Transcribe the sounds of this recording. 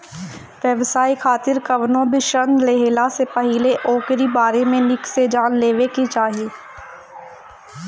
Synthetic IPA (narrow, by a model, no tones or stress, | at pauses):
ʋjəʋsaːikʰaːt̪ɪɾkɐʋnõbʱiʃənd̪leɦeːlasepɐɦileʔɔːkɾibaːɾemẽnɪksed͡ʒaːnleːʋekit͡ʃaːɦieː